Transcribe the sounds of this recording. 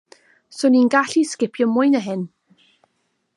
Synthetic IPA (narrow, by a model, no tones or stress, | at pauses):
sʊninɡaɬiskɪpʰjɔmʊɨnəɦɪn